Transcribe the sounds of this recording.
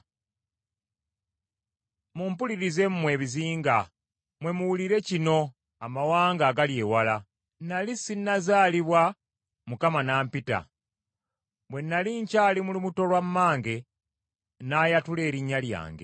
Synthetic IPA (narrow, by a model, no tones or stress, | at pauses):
mumpuliɾize̞mmwe̞ːβiziːŋɡa | mwe̞muwuliɾe̞cino̞ | amawaːŋɡaːɡalje̞ːwala | nalisinːazaːliβwa | mukamanaːmpita̰ | mwe̞nːaliɲcaːlimulimuto̞lwamːaːŋɡe̞ | najatule̞ːɾiɲːalja̰ːŋɡe̞̰